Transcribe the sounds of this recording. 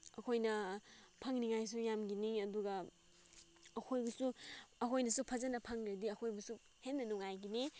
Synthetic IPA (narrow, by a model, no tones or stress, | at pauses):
ɐkʰojnɐpʰaŋniŋajs̬ujamɡiniɐduɡɐ | ɐkʰojbɐsuɐkʰojnɐsupʰɐzɐnɐpʰaŋidiɐkʰojbɐsu | henːɐnuŋajɡini